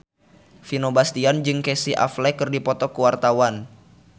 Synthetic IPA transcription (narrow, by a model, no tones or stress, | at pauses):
finobast̪iand͡ʒɨŋkɛsiʔa̰flɛkɨrdipɔt̪ɔkuwart̪awan